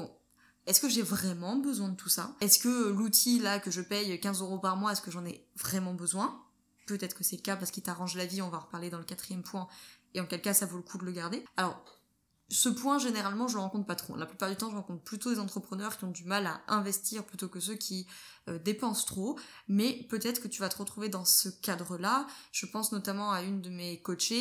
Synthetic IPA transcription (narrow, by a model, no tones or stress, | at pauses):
bɔ̃ | ɛskəʒevʁɛmɑ̃bəzwɛ̃d̪ət̪ʰusa̰ɛskəlut̪ʰilakəʒəpɛjøkʲɛ̃zøʁopaʁmwaɛskəʒɑ̃nɛvʁɛmɑ̃bəzwɛ̃ | pøt̪ɛt̪χə̥kəsɛləkapaʁsə̥kit̪aʁɑ̃ʒlaviɔ̃vaʁpaʁled̪ɑ̃ləkat̪χijɛmpwɛ̃eɑ̃kʲɛlkasavoləkʰud̪ələɡaʁd̪ealɔʁ | səpwɛ̃ʒeneʁalmɑ̃ʒələʁɑ̃kɔ̃t̪χpat̪χo̰laplypaʁd̪yt̪ɑ̃ʒəʁɑ̃kɔ̃t̪χplyt̪od̪ezɑ̃t̪χəpχənœʁkʲiɔ̃d̪ymala̰ɛ̃vɛst̪iʁplyt̪okəs̬økʲʰi | ød̪epɑ̃st̪χomɛpøt̪ɛt̪χə̥kət̪yvat̪əʁət̪χuved̪ɑ̃səkad̪ʁəlaʒ̥əpɑ̃snɔt̪amɑ̃aynd̪əmekɔt͡ʃe